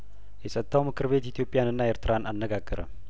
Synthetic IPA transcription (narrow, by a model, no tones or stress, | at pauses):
jɛsʼət̪ʰːawmɨkʰɨɾβe̞t̪it̪ʰjo̞pʼɪjanɨnːaeɾt̪ʰɨɾanʔanːəɡaɡːəɾə̰m